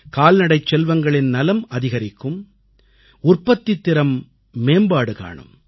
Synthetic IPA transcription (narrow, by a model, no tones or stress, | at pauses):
kaːlnɐɽɐɪt͡ʃːɛlʋɐŋɡɐɭɪnnɐlɐmɐðɪɣɐɾɪkːɯm | ʊrpɐt̪ːit̪ːɪɾɐmː | eːmbaːɽɯka̰ːɳɯ̰m